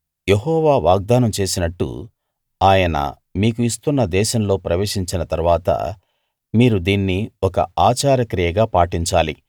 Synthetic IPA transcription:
je̞ɦɔːʋaːʋaːɡ̚d̪aːnɐmt͡ʃe̞ːsinɐʈːṵ | aːjɐnɐ̰ | miːkuist̪unːɐd̪ɛːʃɐmlo̞ːpɾɐʋe̞ːʂiɲt͡ʃinɐt̪ɐɾuʋaːt̪ɐ̰ | miːɾud̪iːnːiɔkɐ̰aːt͡ʃaːɾɐkɾijɐɡaːpaːʈiɲt͡ʃaːlḭ

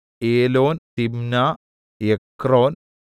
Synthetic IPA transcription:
eːloːnt̪imnaː | jekɾoːn

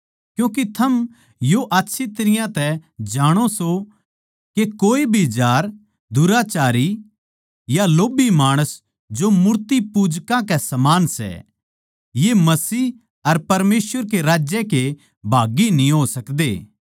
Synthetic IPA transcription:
kjũːkit̪ʰɐm | joʔaːtːʃʰit̪ɐɾɪjãt̪ɛd͡ʒaːɽ̃oso | kekoːibʱid͡ʒaːɾ | d̪ʱʊɾat͡ʃaːɾi | jaloːbimaːɽ̃əs | d͡ʒomʊɾt̪ipuːd͡ʒkãkɛsɐmaːnsɛ̰ | jemɐsiː | ɐɾpɐɾmeːsʋəɾkeɾaːd͡ʒjɛke | bʱaːɡinĩɦoːsɐkd̪ḛː

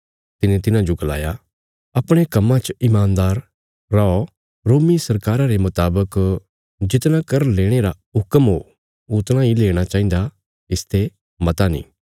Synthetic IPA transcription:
t̪ɪnẽt̪̬ɪnãd͡ʒoɡɐla̰ːja | ɐpɽ̃ekɐmːãt͡ʃɪmaːnd̪aːɾː | aɔ | ɾoːmisɐɾkaːɾaɾemɐt̪aːbək | d͡ʒɪt̪nãkɐɾleːɽ̃eɾa | ɦʊkəmɦo | ʊt̪ñãileːɽ̃at͡ʃaːĩnd̪a | ɪst̪ʰe | mɐt̪anḭ̃ː

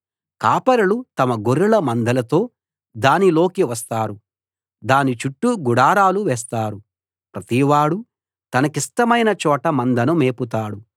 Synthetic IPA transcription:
kaːpɐɾɐlut̪ɐmɐɡoɾulɐmɐnd̪ʱɐlɐt̪o̞ː | d̪aːnilo̞ːkiʋɐst̪aːɾu | d̪aːnit͡ʃuʈːuɡuɽaːɾaːluʋɛːst̪aːɾu | pɾɐt̪iʋaːɽu | t̪ɐnɐkisʈɐmɐjnɐt͡ʃɔːʈɐmɐnd̪ʱɐnumeːput̪aːɽu

